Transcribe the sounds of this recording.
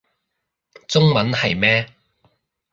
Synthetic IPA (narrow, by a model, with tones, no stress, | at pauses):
t͡sʊ˥ŋmɐ˨˥nhɐ˨jmɛː˥